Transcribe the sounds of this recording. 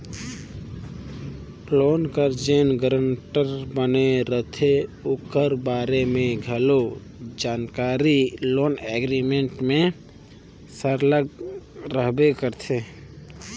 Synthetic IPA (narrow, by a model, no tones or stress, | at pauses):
plonkəɾd͡ʒenɡəɾəɳʈəɾbəneɾət̪ʰeokəɾbaɾemẽɡʱəlo | d͡ʒaːnkaɾiloːneɡɾimeɳʈmẽ | səɾləɡɾəɦbekəɾt̪ʰe